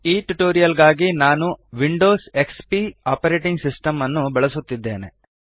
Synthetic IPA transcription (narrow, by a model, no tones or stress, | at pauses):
iːʈuʈoːɾijɐlɡaːɡinaːnuʋiɳɖoːse̞kspiaːpɐɾeːʈiŋɡsisʈɐmɐnːubɛɭɐsut̪ːid̪ːe̞̰ːnḛ